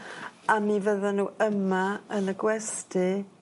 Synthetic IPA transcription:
amivəðɔnuːəmaənəɡwɛstʰɪ

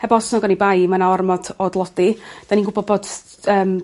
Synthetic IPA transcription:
hɛbɔsnɔɡanibajmanaarmɔd̥ɔdlˠɔdid̥aninɡʊbɔd̚bɔd | əːm

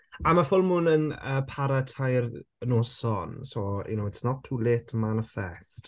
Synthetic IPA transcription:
amafʊlˠmʊnənəːpʰaɾatʰajr | nosɔnsojṵnowɛtsnɔtʰuːlɪtʰmanɪfɛ̰st

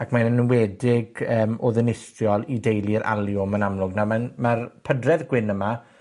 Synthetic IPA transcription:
akʰmanənwɛːdɪɡəːmoðɪnɪstrjɔlˠidejlˠiɾʔa̰lˠjʊmanamlˠʊɡnamanmarpʰədrɛðɡwɪnəma

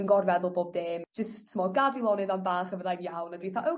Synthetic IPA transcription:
inɡɔrvɛðʊlˠboːb̚deːmd͡ʒəsʰəmɔɡadilˠɔnɨðambaːχəvəðajmjawnadwejθaʔəw

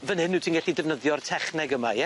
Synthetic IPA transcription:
vənhɪnutʰiːnɡɛɬidɛvnəðjɔrtʰɛχnɛɡəmajɛ

